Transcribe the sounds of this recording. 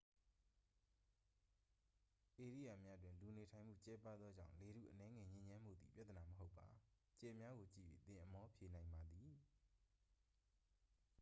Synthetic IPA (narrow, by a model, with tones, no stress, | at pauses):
ʔe˨ɹḭ˦˨ja˨mja˦dwɪ̃˨nlu˨ne˨tʰã˨ɪ̃m̥ṵ˦˨t͡ɕɛ˦pa˦d̪ðɔ˦d͡ʑã̰˦˨le˨ɾṵ˦˨ʔənɛ˦ŋɛ˨ɲɪ̃˦ɲã˦m̥ṵ˦˨d̪ðḭ˨pja˦t̪ə˨na˨məɦo˦ʊpːa˨ | t͡ɕɛ˨mja˦ɣo˨t͡ɕḭ˦˨jḛ˦˨t̪ɪ̃˨ʔə˨mɔ˦pʰje˨nã˨ɪ̃mba˨d̪ði˨